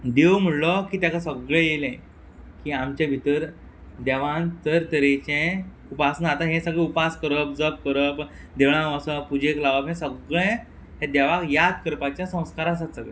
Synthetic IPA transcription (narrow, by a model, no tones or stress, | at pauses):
d̪ewm̤əɽlɔkiːt̪jakasəɡɭẽjelẽ | kiːamt͡ɕẽbʱit̪əɾ | d̪aʋãnt̪əɾt̪əɾet͡ɕẽ | upasənat̪aɦɛ̃səɡɭẽupaskəɾəp̚d͡zəp̚kəɾəp | d̪eʋɭ̃ãəsəpud͡ʑeklaʋəpɦɛ̃səɡɭẽ | ɦẽd̪aʋakjat̪kəɾpat͡ɕjasə̃w̃skaɾas̬at̪səɡɭḛ